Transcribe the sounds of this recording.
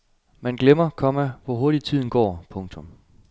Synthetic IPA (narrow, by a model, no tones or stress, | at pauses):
mænɡ̥lemɐkʰɒ̽mæʋɒɦo̝ɐɾ̥it͡sʰið̰ˠn̩ɡ̥ɒ̰ːpʰɔ̽ŋt͡sʰɔ̽m